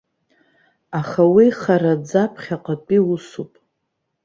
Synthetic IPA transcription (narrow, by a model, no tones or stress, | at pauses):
aχawiχaɾad͡zapʰχʲaqʼat͡pʼiusupʼ